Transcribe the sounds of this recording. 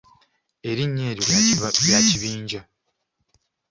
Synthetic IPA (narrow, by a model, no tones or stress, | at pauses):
e̞ɾiɲːeːɾiβjaciβiːɲɟa